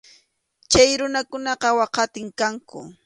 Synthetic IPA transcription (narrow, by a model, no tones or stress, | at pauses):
t͡ʃajɾʊnakʊnɑqɑwɑqɑt̪ɪŋkaŋkʊ̰